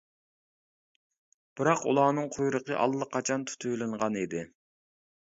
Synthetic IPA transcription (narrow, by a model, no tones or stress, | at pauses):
b̥ɪɾɑqṵlˠɑːnɨŋqʰojɾəqəʔɑ̰lˠːəqʰːɑt͡ʃʰɑnt̪ʰu̥t̪ʰujlˠɨɴʁɑnid̪ɪ